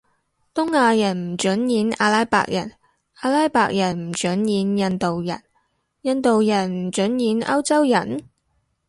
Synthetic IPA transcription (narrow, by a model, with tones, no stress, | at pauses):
t̪ʊ˥ŋaː˧jɐ˨˩nm̩˨˩t͡ʃɵ˨˥njiː˨˥na̰ː˧laː˥jpa̰ː˧˨k̚jɐ˨˩n | aː˧laː˥jpaː˧k̚jɐ˨˩nm̩˨˩t͡ʃɵ˨˥njiː˨˥njɐ˧nt̪o˨wjɐ˨˩n | jɐ˧nt̪o˨wjɐ˨˩nm̩˨˩t͡ʃɵ˨˥njiː˨˥nɐ̰˥wt͡sɐ˥wjɐ˨˩n